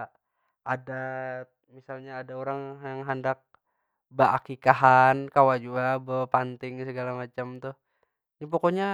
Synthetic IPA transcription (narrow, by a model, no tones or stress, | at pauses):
ʔada | misalɲaːdaoɾaŋjaŋɦandak̚ | bəa̰kikaɦankawad͡ʒuabəpant̪ɪŋsəɡalamat͡ʃamt̪ʊh | ɲapokoɲa